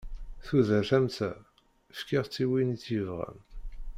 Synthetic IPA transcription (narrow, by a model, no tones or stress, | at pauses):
θuðæθæmt͡sæ | ʃkiʁt͡sːiwinit͡sːivʁæ̰n